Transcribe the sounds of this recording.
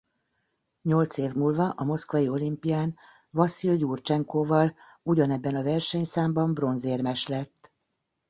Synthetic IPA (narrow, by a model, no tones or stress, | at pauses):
ɲo̞lt̪seːvmuːlvɒʔɒmo̞skvʋɒjio̞limpijaːn | vɒsiljuːrt͡ʃɛŋkoːvɒl | uɟɒnɛbːɛnɒvɛrʃɛɲsaːmbɒmbro̞nzeːrmɛʃlɛt̪ː